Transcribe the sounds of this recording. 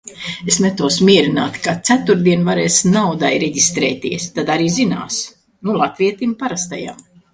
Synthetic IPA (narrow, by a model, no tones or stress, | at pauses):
esnɛt̪uɔsmʲiɛɾinaːt̪kat̪sæt̪uɾd̪iɛnvaɾɛːsnawd̪ajɾeɟist̪ɾɛ̰ːt̪iɛst̪ad̪aɾiːzina̰ːs | nulˠat̪viɛt̪impaɾast̪a̰ja̰m